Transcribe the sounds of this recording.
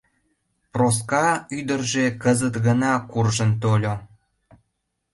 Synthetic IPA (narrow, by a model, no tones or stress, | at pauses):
pros̬kɑyd̪ərʒekəzət̪ɣənɑkurʒənt̪olʲo